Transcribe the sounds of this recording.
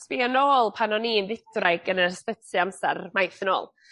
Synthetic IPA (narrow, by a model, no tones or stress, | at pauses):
spianoːlˠpʰanɔnimvɪtrajɡənərspət͡sʰɨamsarmajθəno̰ːlˠ